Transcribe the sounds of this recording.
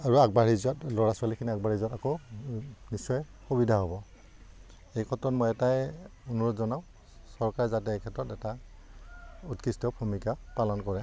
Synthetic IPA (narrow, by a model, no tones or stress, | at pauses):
aɹuaɡ̚baɹizɔtlɔɹaswalikʰiniaɡ̚baɹizɔtako | nisɔj | xubidʱaɦobɔ | ejkʰɔtɔtmɔjɛtajunuɹɔtzɔnaʊ̃ | sɔɹkaɹɛzatɛːkʰɛtɹɔtɛta | utkistɔpʰumikapalɔnkɔɹɛ